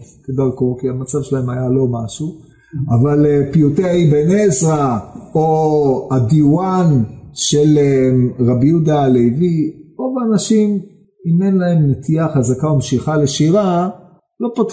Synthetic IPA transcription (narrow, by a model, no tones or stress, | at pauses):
ked̪aʁkokiamat͡savʃelaemajalo̞maʃu | avalepiuteaibenezʁaoadiuanʃeleʁabijudalejviʁo̞vanaʃim | ime̞nlae̞mnet̪iaχazakaomeʃiχaleʃiʁa | lo̞pot